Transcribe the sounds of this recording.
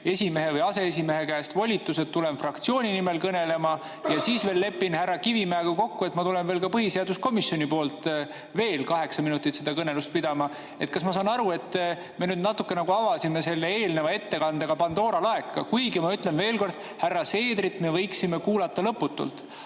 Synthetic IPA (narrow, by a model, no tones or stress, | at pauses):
e̞sʲime̞ɦe̞vɤjɑse̞es̬ʲime̞ɦe̞kæst̪vo̞lʲit̪ːˑuset̪t̪ːulenfrɑkt̪sioːnʲinime̞lkɤne̞le̞mɑ | jɑsiːsve̞ːlːe̞pːˑinhærːɑkivimæeɡɑko̞kːue̞t̪ːˑmɑt̪ule̞nve̞ːlkɑpɤɦise̞ɑd̪usko̞misio̞nʲipo̞ːlt̪ | ve̞ːlkɑɦe̞ksɑminut̪ːˑit̪sed̪̥ɑkɤne̞lust̪̚pid̪̥ɑmɑ | e̞t̪̚kɑsmɑsɑːnɑɾue̞t̪ː | me̞nyːd̪nɑt̪ːukːe̞nɑɡuɑvɑsime̞se̞lːe̞eːlnevɑe̞t̪ːe̞kɑnd̪eɡ̥ɑpɑnd̪̥o̞ːɾɑlɑe̞kːɑ̰kujɡimɑyt̪ˑle̞nve̞ːlko̞rd̪̥ | hærːɑse̞ːd̪ɾit̪me̞vɤ̞jksime̞kuːlɑt̪ˑːɑlɤpːˑut̪ːˑṵlt̪ˑ